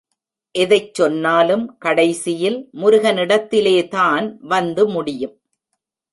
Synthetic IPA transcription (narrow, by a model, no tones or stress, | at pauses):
ʔɛðɐɪt͡ʃːɔnːaːlɯmkɐɽɐɪsɪjɪlmʊɾʊɣɐnɪɽɐt̪ːɪleːt̪aːnʋɐnd̪ɯmʊɽɪjɯm